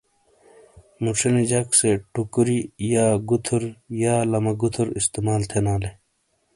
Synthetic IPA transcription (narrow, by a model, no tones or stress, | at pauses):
muʈ͡ʂʰɐned͡ʑɐkseʈukɾijaːɡut̪ʰuɾjaːlɐmɐɡut̪ʰuɾist̪emaːlt̪ʰenaːle